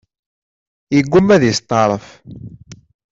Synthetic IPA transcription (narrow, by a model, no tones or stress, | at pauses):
jəɡːumæðjəst̪ˤːɑɾˤəf